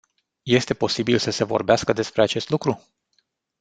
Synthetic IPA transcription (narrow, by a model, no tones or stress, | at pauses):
je̞st̪e̞po̞sibilsəse̞vo̞̰rbeaskəd̪e̞spɾeat͡ʃe̞st̪lukɾu